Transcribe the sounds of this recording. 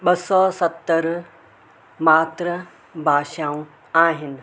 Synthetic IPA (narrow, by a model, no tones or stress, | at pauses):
ɓɐsɔsɐt̪ːəɾ | maːt̪ɾə | bʱaːʃaːũ | aːɦɪn̆